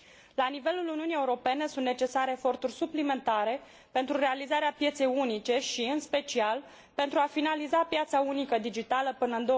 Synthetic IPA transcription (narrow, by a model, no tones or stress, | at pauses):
lanive̞luluniunije̞uɾo̞pe̞ne̞sunt̪net͡ʃe̞saɾeːfo̞rt̪urʲsuplime̞nt̪aɾe̞ | pe̞nt̪ɾuɾe̞alizaɾeapje̞t̪se̞junit͡ʃe̞ʃiɨnspe̞t͡ʃial | pe̞nt̪ɾuafinalizapjat̪saunikəd̪id͡ʒit̪aləpɨnəɨnd̪o